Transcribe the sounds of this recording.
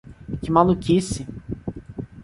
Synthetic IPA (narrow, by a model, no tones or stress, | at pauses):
kɪmalukʲisɪ